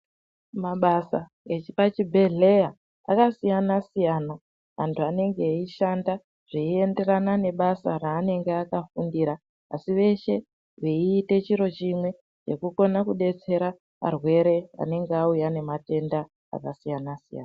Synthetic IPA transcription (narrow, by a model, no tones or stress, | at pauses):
maɓasa | et͡ʃipat͡ʃibʱe̞ɮe̞ja | a̰kasijanasijana | ɦa̰ntʰuane̞ŋɡe̞iʃanda | ʐ̥iie̞nde̞ranane̞ɓasaɾaːne̞ŋɡeakafundiɾaː | siʋe̞ʃe̞ | ʋeiːte̞t͡ʃiɾo̞t͡ʃimwe̞ | t͡ʃe̞kuko̞nakuɗe̞t͡se̞ɾa | a̰rwe̞ɾe̞a̰ne̞ŋɡeaujane̞mate̞nda | a̰kasijanasija̰ːna